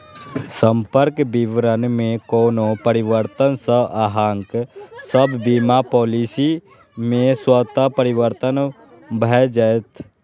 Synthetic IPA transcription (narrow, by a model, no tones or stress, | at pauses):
sə̃mpəɾkbiʋɾənmẽkoːnopəɾɪwəɾt̪ənsəaːɦãŋksəbːiːmapɔːlisi | mẽswət̪apəɾɪwəɾt̪ən | bʱəd͡ʒəjt̪ʰ